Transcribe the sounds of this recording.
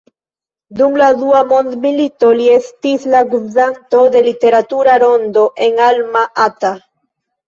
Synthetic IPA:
d̪umlaðuamo̞nd̪milit̪oliest̪islaɡuzant̪o̞ðe̞lit̪e̞ɾat̪uɾaɾo̞nd̪oʔeŋalmaʔat̪a

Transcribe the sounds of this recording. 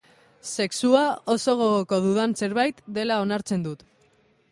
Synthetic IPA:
se̞ksuao̞so̞ɣ̞oɣoko̞ðuðanse̞ɾβajt̪d̪e̞lao̞naɾt͡se̞nd̪ut̪

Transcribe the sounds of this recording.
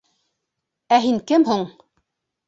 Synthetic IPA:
æɦiŋkɘmɦuɴ

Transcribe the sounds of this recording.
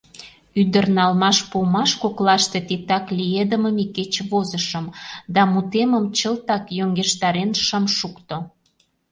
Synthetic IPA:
yd̪ərnɑlmɑʃpumɑʃkoklɑʃt̪et̪it̪ɑklʲijed̪əməmiket͡ɕβozəʃəmd̪ɑmut̪eməmt͡ɕəlt̪ɑkjoŋɡeʃt̪ɑɾenʃəmʃukt̪o

